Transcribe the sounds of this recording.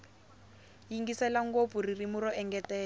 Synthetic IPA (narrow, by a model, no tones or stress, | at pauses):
jiŋɡisɛlaŋ̩kofuririmʊɾɔɛŋɡɛtɛːl